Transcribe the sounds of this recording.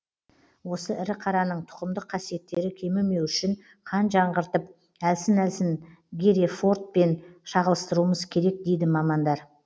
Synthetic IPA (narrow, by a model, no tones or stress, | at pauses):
wo̞səʔɪɾɪqʰɑɾɑnəɴt̪ʰʊ̥qəmd̪əqʰːɑsije̞t̪ːe̞ɾɪkʲʰe̞mɪɾme̞wʏʃɪɴ | qʰɑnʒɑɴʁəɾt̪əp̚ | ælsɪnælsɪn | ɡʲeɾefo̞rt̪̚pe̞nʃɑʁəlˠəst̪əɾuəməzkʲʰe̞ɾe̞k̚d̪e̞jd̪ɪmɑmɑnd̪ɑɾ